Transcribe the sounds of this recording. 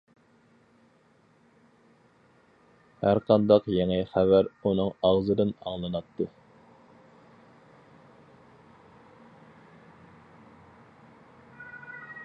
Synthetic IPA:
hæɾqɑnd̪ɑqjɛŋɛχævæɾunɨŋɑʁzɨd̪ɨnɑ̰ŋlˠɨnɑt̪ːɨ

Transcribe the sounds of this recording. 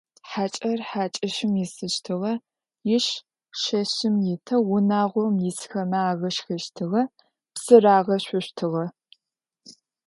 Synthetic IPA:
ħaːt͡ʃʼɐrħaːt͡ʃʼɐʃɪmjɪsɨʃtʰɨʁɐ | jɪʃ | ʃɐɕɪmjɪtʰɐwʊnaːʁʷɔmjɪsxɐmɐaːɣɐʃxɐʃtʰɨʁɐ | psɨraːʁɐɕʷʊɕtʰɨʁɐ

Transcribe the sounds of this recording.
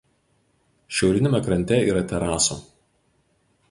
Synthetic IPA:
ʃʲɛʊɾʲɪnʲɛmʲɛkɾɐnʲt̪ʲɛiːɾɐt̪ʲɛɾɑːso̰

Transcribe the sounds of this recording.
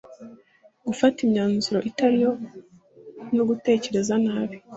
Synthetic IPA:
ɡufatimɲaːnzuɾo̞ʔitaɾijo̞ | noɡute̞ːce̞ɾe̞zanaːβi

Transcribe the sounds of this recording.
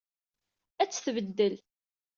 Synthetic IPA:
æt͡sːθvəd̪ːəl

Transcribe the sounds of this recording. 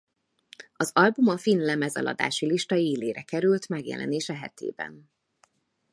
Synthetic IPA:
ɒzɒlbumɒfinlɛmɛzɒ̰lʔɒ̰d̪a̰ːʃiliʃt̪ɒeːleːɾɛkɛɾylt̪mɛɡjɛ̰lʔɛ̰neːʃɛɦɛ̰t̪ʰḛːbɛ̰n

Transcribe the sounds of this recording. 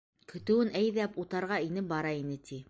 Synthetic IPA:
kɵ̆t̪ɘ̆wɘnʔæjðæput̪ɑɾʁɑinɘbɑɾɑinɘt̪ʰi

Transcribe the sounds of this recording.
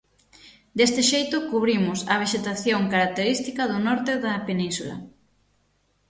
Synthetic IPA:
d̪est̪ɪʃejt̪ʊkuβɾimʊsɐβ̞eʃet̪aθjoŋkaɾak̚t̪eɾist̪ikɐðʊnɔɾt̪eðɐpenĩnsulɐ̰

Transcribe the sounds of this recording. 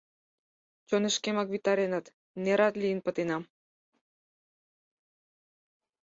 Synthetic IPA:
t͡ɕoneʃkemɑkβit̪ɑɾenɑt̪ | neɾɑt̪lʲiənpə̆t̪enɑm

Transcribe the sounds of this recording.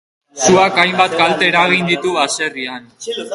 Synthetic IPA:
suakajmbat̪ɡalt̪e̞ɾaɣ̞ind̪it̪uβase̞rian

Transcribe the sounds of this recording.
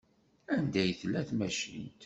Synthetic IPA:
ænd̪æjθlːæθmæʃḭnt̪

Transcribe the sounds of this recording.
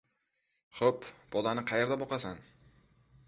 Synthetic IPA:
χopb̥ɒd̪anɪqʰɑjeɾd̪abɒqɑsan

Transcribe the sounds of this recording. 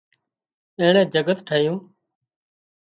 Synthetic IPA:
ẽːɳẽːd͡ʒəɡət̪ʈʰəɪjũː

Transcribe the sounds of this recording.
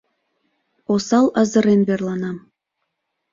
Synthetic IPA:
osɑlˠɑzɤ̆ɾenβerlˠɑnɑm

